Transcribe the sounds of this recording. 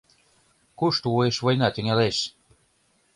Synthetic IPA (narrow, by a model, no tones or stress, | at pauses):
kuʃt̪uueʃvojnɑt̪ø̆ŋʲæleʃ